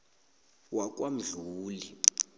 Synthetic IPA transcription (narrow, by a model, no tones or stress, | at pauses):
wak̬ʼwam̩ɮuːli